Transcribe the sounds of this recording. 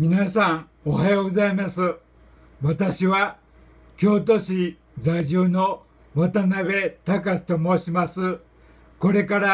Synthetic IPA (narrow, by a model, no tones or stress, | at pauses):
mʲinasãŋ | ohajoːɡo̞zaimasɨ | βat̪aɕiβa | kʲo̞ːt̪̬o̞ɕi | zaiʑɨːno̞ | mat̪anaβe̞t̪akast̪o̞mo̞ːɕimasɨ | ko̞ɾe̞kaɾa